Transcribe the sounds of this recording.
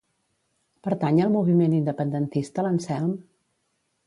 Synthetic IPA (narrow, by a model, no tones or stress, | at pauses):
pəɾt̪aɲəlˠmuβ̞imenind̪əpənd̪ənt̪ist̪ələnsɛlˠm